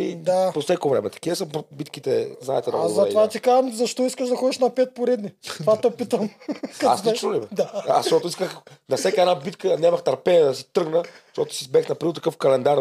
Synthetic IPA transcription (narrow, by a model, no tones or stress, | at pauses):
ḭd̪aposɛkovɾɛmɛt̪ɐ̥kivɐsɐpbit̪kit̪ɛ̰zna̰ɛt̪ɛnɐaɐtɛvat̪ikaʒɐmzɐʃt̪ɔiskəʃd̪ɐxɔd̪iʃnɐpɛt̪̚poɾɛd̪nivat̪opit̪əmkɐa̰sɛt͡ʃnolibɛd̪aa̰ʃt̪ɔt̪ʊiskəxnɐfsɛkaɛd̪nabit̪kənʲɛmɐxt̪ɐɾpɛd̪ɐsi̥t̪ɾɤɡnəʃt̪ɔt̪ʊ̥sizbɛxnɐpɾiot̪ɐkɤfkɐlɛnd̪aɾ